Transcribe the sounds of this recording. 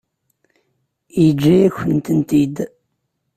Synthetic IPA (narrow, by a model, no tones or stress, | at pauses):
id͡ʒːæjæçənt̪ənt̪id̪